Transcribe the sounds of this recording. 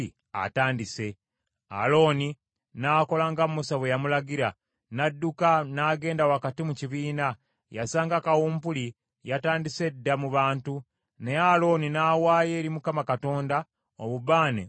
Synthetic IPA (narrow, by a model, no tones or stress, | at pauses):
a̰taːndise̞ | a̰lo̞ːni | naːko̞laŋɡammusaβwe̞jamulaɡiɾa | nadːukanaːɡe̞ːndawakatimuciβiːna | jasaːŋɡakawuːmpuli | jataːndise̞dːamuβaːntu | ne̞alo̞ːninaːwaːje̞ːɾimukamakato̞ːnda | oβuβaːnḛ